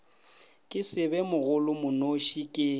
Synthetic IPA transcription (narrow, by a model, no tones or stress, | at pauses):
kʼɪsɪbɛmʊɣʊlʊmʊnoʃikʼɪ